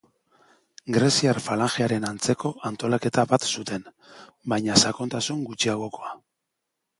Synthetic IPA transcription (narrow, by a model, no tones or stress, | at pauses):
ɡɾe̞siarfalaŋxeaɾe̞nant͡se̞ko̞ʔant̪o̞lake̞t̪aβat̪sut̪e̞nbajɲasako̞nt̪asuŋɡut͡ʃiaɣ̞o̞ko̞a